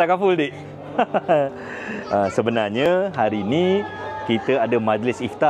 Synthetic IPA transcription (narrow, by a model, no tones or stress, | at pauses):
akafʊldiʔ | əsəbənarɲaɦaɾinikit̪əadamad͡ʒlɪsiht̪a